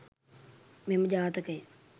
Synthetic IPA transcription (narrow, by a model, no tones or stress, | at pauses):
memːəd͡ʒaːt̪əkəj